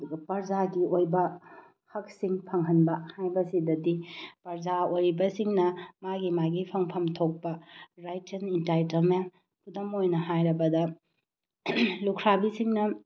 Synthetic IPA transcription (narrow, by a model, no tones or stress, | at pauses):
ɐduɡɐpɐɾd͡ʒaɡiojbɐ | hɐk̚siŋpʰɐŋɦɐnbɐhajbɐsidɐdipɐɾzaojɾibɐsiŋnɐmaɡimaɡipʰɐŋpʰɐmtʰok̚pɐɾajtɐnintajtɐlmen | kʰudɐmojnɐɦajɾɐbɐdɐ | lukʰɾabisiŋnɐ